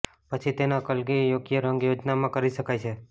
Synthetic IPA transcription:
pət͡ʃʰit̪enakəlɡijoɡijəɾəŋɡjod͡ʒnamãkəɾiʃəkajt͡ʃʰe

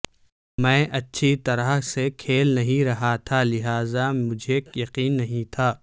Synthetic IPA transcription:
mɛ̃ːʔɐtːʃʰit̪ɐɾəɦsekʰeːlnɐɦĩɾɐɦat̪ʰalɪɦaːzamʊd͡ʒʱekjɐqiːnːɐɦĩt̪ʰaː

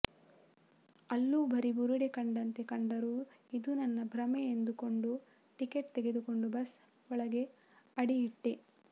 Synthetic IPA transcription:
ɐlːubʱɐɾibuɾiɽekɐɳɖɐnt̪e̞kɐɳɖɐɾu | id̪unɐnːɐbʱɾɐmeːnd̪uko̞ɳɖu | ʈikeʈ̚t̪eɡe̞d̪uko̞ɳɖubɐs | ɔɭɐɡe̞ | ɐɽijiʈːe

